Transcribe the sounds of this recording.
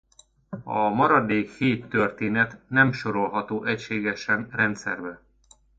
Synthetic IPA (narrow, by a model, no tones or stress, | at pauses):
ɒmɒɾɒd̪eːkheːt̪ːørt̪eːnɛt̪nɛmʃo̞ɾo̞lɦɒt̪oːʔɛcʃeːɡɛʃɛnrɛnt̪sɛrbɛ